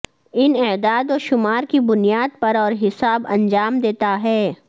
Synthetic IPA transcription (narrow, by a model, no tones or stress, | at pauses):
ɪnɛːd̪aːd̪ɔːʃʊmaːɾkibʊnijaːd̪̚pɐɾɔːɾɦɪsaːbɐ̃ɲd͡ʒaːmd̪eːt̪aɦɛː